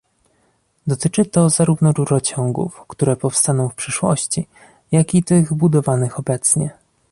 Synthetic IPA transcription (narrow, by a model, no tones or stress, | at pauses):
d̪ɔt̪ɘt͡ʂɘt̪ɔzaɾuvnɔɾuɾɔt͡ɕɔ̃ŋɡṵfkt̪uɾɛpɔfst̪anɔ̃w̃fpʂɘʂwɔ̰ɕt͡ɕi | jakʲit̪ɘɣbud̪ɔvanɘxɔbɛt̪sɲɛ